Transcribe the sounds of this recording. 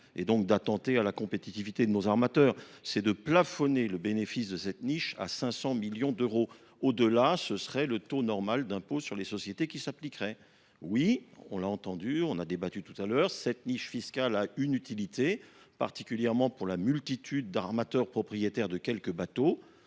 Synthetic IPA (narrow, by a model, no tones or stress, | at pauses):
ḛd̪ɔ̃k̚d̪at̪ɑ̃t̪ealakɔ̃pet̪it̪ivit̪ed̪ənozaʁmat̪œːʁsɛd̪əplafɔneləbenefisd̪əsɛt̪niʃa̰sɛ̃sɑ̃miljɔ̃d̪øʁo | od̪əlasəsχɛlət̪onɔʁmald̪ɛ̃posyʁlesɔsjet̪ekʲisaplikʁɛ | wiɔ̰̃laɑ̃t̪ɑ̃d̪yɔ̃nad̪ebat̪yt̪u̥t̪alœːʁsɛt̪niʃfiskʲalaynyt̪ilit̪e | pa̰ʁt̪ikʲyljɛʁmɑ̃puʁlamylt̪it̪ʰyd̪ːaʁmat̪œʁpχɔpχijet̪ɛʁd̪əkʲɛlkəbat̪o